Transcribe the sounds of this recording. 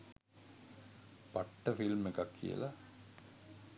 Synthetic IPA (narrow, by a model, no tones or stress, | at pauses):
paʈːəfilmekakʰːḭjə̰la